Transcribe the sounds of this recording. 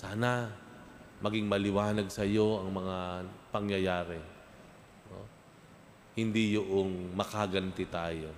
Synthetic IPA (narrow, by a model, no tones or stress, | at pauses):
saːna | mɐɡɪŋmɐlɪwaːnɐɡ̚sɐjo̞ʔɐŋmɐŋapɐŋjɐjaːɾɛ | no̰ | hɪnd̪ijoʔoŋmɐkaɡɐnt̪ɛt̪aːjo̞